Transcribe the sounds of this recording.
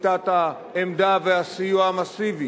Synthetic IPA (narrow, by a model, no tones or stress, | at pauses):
t̪at̪a | emd̪aveasijuamasivi